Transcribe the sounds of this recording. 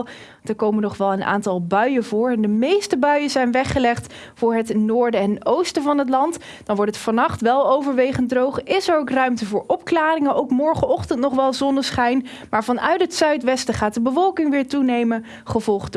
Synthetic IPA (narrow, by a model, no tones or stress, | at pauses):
d̥əɹkowmənɔχʋɛlˠənʔa̰ːntɑlˠbœɥəvʊːɹɛndəmejstəbœɥəzɛjnʋɛχəlɛχt | fʊːɹɦətnʊːɹdəɛnowstəvɑnɦət̬lɑnt | d̥ɑnʋɔɹtətfɑnɑχtʋɛlˠowvəɹʋejχəndrowχɪsəɹowkrœɥmtəvʊːɹɔpklaːrɪŋəʔowkmɔɹχəɔχtəntnɔχʋɛlˠzɔndəsχɛjn | maːɹvɑnœ̰ɥtɦətsœɥtʋɛstəχaːt̚dəbəvɔlˠkɪŋʋɪːɹtunejmən | χəvɔlˠχt